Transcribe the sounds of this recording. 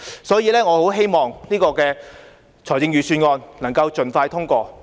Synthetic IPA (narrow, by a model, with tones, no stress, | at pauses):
sɔː˨˥jiː˧lɛː˥ŋɔː˨˧ho˨˥wɦe˥jmɔː˨ŋniː˥kɔː˧kɛː˧ | t͡sʰɔː˨˩jt͡sɪ˧ŋjyː˨˩syː˧nŋɔː˧nnɐ˨˩ŋkɐ˧wt͡ʃɵ˨nfaː˧jt̪ʰʊ˥ŋkɔː˧